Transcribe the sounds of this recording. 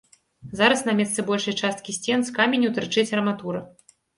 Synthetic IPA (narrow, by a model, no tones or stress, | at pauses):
zaɾɐsnɐmʲɛst̪sɨbɔlʲʂɐjt͡ʂast̪̚kʲisʲt͡sʲɛnskamʲenʲut̪ɨɾt͡ʂɨt͡sʲɐɾɐmat̪uɾɐ